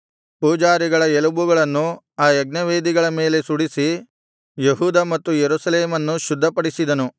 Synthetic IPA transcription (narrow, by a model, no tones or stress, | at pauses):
puːd͡ʒaːɾiɡɐɭɐelɐbuɡɐɭɐnːu | aːjeɡnɐʋeːd̪iɡɐɭɐme̞ːle̞suɽisi | jeɦuːd̪ɐmɐt̪ːujeɾusɐleːmɐnːuʃud̪ʱːɐpɐɽisid̪ɐnu